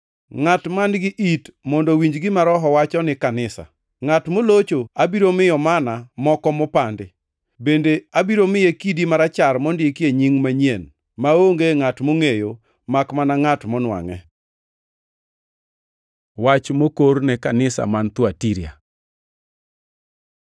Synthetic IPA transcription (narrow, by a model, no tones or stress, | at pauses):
ŋatmanɡɪʔitmɔndɔwiɲd͡ʒɡɪmaɾɔɦɔwat͡ʃɔnɪkanɪsa̰ | ŋatmolot͡ʃoabiɾomɪjɔmanamɔkɔmɔpandɪ | bendeabiɾomɪjekidimaɾat͡ʃaɾmɔndjekjeɲiŋmaɲjen | maoŋɡeŋatmoŋejo | makmanaŋatmɔnwa̰ŋɛ | wat͡ʃmokoɾnɛkanɪsa̰mant̪watiɾja̰